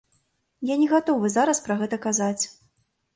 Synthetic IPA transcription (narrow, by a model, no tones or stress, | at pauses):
janʲɛɣat̪ɔvɨzaɾɐspɾɐɣɛt̪ɐkazat͡sʲ